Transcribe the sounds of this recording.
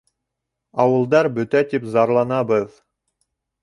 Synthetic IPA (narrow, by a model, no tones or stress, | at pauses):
ɑwɤ̆lˠd̪ɑɾbɵ̆t̪æt̪ipzɑɾlˠɑnɑbɤð